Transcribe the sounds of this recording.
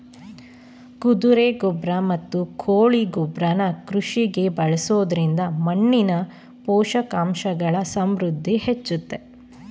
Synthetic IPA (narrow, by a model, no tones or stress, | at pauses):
kud̪uɾeɡɔbɾɐmɐt̪ːukʰoːɭiɡɔbɾɐnɐkɾuʂiɡe̞bɐɭɐsoːd̪ɐɾind̪ɐmɐɳːinɐ | pɔːʃɐkaːmʃɐɡɐɭɐsɐmɾud̪ʱːihet͡ʃːut̪ːe̞